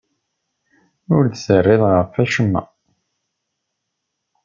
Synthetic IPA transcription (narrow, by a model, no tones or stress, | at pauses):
ʊɾd̪sərˤːɪðˤʁəfæʃəmːæ̰